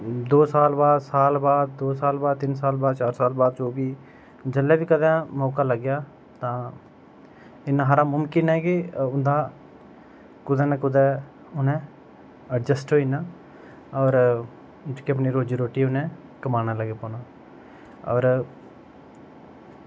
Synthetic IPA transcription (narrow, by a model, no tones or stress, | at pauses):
d̪oːsaːlbaːd̪saːlbaːd̪̚ːoːsaːlbaːd̪̚t̪ɪnsaːlbaːd̪̚t͡ʃaːɾsaːlbaːd̪t͡ʃoːbiː | d͡ʒəlːɛːʋiːkəd̪ɛ̃ːmɔːkaːləɡjaː | t̪ãː | ɪnːãːɦaːɾãːmʊmkɪnɦɛːkɪʊnd̪aː | kʊd̪ɛːnãːkʊd̪ɛː | ʊnɛ̃ː | əɖd͡ʒəsʈɦoːiːnaː | ɔːɾ | d͡ʒkiəp̬neːɾoːd͡ʒiɾoːʈiːʊnɛ̃ː | kəmaːnaːləɡeːpɔːnaː | ɔ̰ːɾ